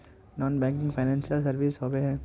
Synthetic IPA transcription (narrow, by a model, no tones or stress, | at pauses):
nɔːnbɛ̃ːŋkɪ̃ŋɡfʰaɪnɛ̃ːnsijəlsɐɾʋisɦɔːbeɦɛ̃ː